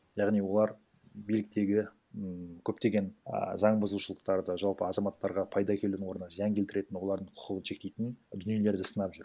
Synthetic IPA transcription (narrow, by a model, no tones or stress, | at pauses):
jɑʁnijwo̞lˠɑɾ | bijlɪk̚t̪e̞ɡʲɪ | kʲʰɵp̚t̪e̞ɡʲe̞n̰zɑɴbʊzəluʃəlˠəq̚t̪ɑɾd̪əʒɑlˠpəɑzɑmɑt̪ːɑɾʁɑpʰɑjd̪ɑkʲʰe̞ld̪ɪnwo̞ɾənɑzijɑŋkʲʰelt̪ɪɾe̞t̪ɪnwo̞lˠɑɾd̪əɴqʰʊ̥qəʁənʃe̞k̚t̪e̞jt̪ɪnd̪ʏnije̞le̞ɾd̪ɪsənɑpʒʏɾ